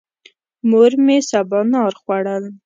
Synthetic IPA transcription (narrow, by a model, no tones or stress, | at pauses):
moɾmesabɑnɑɾxwaɽəl